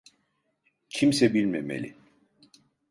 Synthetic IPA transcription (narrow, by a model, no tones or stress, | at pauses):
cʰimsɛbilʲmemḛlʲḭ